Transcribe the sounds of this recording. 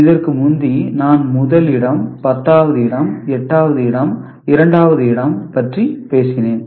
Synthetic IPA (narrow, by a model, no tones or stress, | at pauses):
ɪðɐrkɯmʊnd̪inaːnmʊðɐlɪɽɐmpɐt̪ːaːʋɐðɯɪɽɐmɛʈːaːʋɐðɯɪɽɐm | ɪɾɐɳɖaːʋɐðɯɪɽɐmpɐʈripeːsɪneːn